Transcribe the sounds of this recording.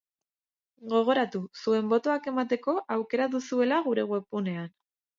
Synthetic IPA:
ɡo̞ɣ̞o̞ɾat̪usue̞mbo̞t̪o̞ake̞mat̪e̞ko̞ʔawke̞ɾaðusue̞laɣuɾe̞ɣwe̞pune̞an

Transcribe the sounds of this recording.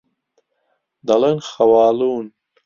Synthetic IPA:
d̪ɐlenxɐwaːluːn

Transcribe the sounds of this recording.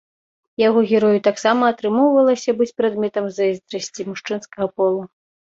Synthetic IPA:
jaɣɔɣʲɛɾɔjut̪aksamɐːt̪ɾɨmɔwvɐlˠɐsʲɐbɨt͡sʲpɾad̪mʲɛt̪ɐmzɐizd̪ɾɐsʲt͡sʲimuʂt͡ʂɨnskɐɣɐpɔlˠu

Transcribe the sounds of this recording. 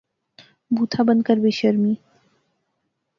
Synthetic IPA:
but̪ʰabənkaɾbeʃəɾmi

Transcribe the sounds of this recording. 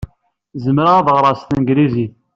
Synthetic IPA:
zəmɾaaðʁɾˤɑst̪ənɡɾizi

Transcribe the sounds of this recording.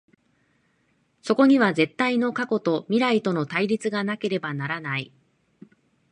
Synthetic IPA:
so̞ko̞ɲ̟iβaze̞t̪ːaino̞kako̞t̪o̞mʲiɾait̪o̞no̞t̪aiɾʲit͡sɨɡanake̞ɾe̞banaɾanai

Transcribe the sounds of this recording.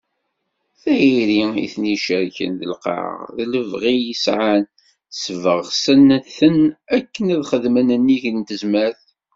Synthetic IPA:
θæjiɾiḭθniʃəɾçə̰nðə̰lqɑ̰ʁðləvʁijəsʕan | səvəʁsənθənækːənæðχəðmənənːiʝənt̪əzmæɾθ

